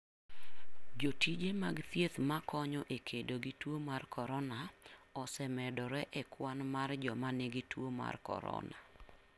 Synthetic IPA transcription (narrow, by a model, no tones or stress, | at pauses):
d͡ʒotid͡ʒemaɡt̪jet̪makʰɔɲɔʔekʰedoɡɪtwomarkʰɔɾɔnaɔsɛmɛdɔɾɛʔɛkwanmard͡ʒɔmanɪɡɪtwoma̰rkɔ̰ɾɔ̰na